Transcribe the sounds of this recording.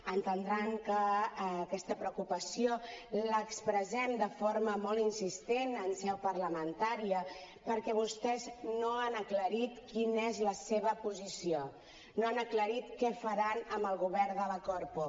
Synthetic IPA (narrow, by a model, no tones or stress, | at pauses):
ənt̪ənd̪ɾaŋkəːkɛst̪əpɾəukupəsioləkspɾəzɛmd̪əfoɾməmɔlˠinsist̪enənsɛwpərləmənt̪aɾiə | pəɾkɛβust̪ɛznoanəkləɾit̪kinezləseβəpuzisio | noanəkləɾit̪kɛfəɾanəmbəlˠɣuβɛɾðələkɔɾpu